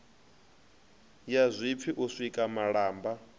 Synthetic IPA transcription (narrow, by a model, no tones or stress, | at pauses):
jazʷip̪fʰiʔusʷikʼamaɺaːmba